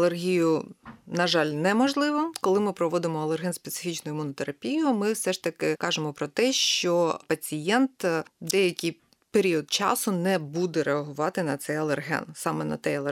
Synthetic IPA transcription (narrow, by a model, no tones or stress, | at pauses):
lˠerɦʲijʊnɐʒɑlʲnɛmɔʒlˠɪʋɔkɔlˠɪmɪpɾɔʋɔd̪ɪmɔɐlˠerɦɛnspet̪sɪ̥fʲit͡ʃnʊjʊmunɔt̪eɾɐpʲijʊmɪwsɛʂt̪ɐkɪkɑʒemɔpɾɔt̪ɛʃt͡ʃɔpɐt͡sʲijɛnt̪d̪ɛjɐkʲij | peɾʲiɔd̪̚t͡ʃɑ̰sʊnɛbud̪ɛɾeɐɦʊʋɑt̪ɪnɐt̪sɛjɐlˠerɦɛ̰nsɑmɛnɐ̰t̪ɛjɐlˠe